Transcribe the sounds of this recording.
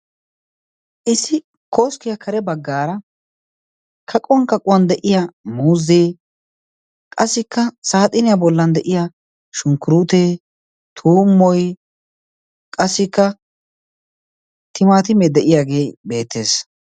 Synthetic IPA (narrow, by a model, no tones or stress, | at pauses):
ʔɪsɪ | koːskɪjɐkʰɐɾɛbɐɡːaːɾɐ | kʰɐkʼɔwɐŋkɐkʼʊwɐnd̪ɛʔɪjamuːzːe | kʼɐsːɪkːɐsaːt̪ʼɪnɪjabɔlːɐnd̪ɛʔɪja | ʃʊŋkʊɾuːt̪eː | t̪ʰuːmːɔj | kʼɐsːɪkːɐ | t̪ʰɪmaːt̪ɪmɛd̪ɛʔɪjaːɡe̞ːbe̞ːt̪ːe̞̰ːs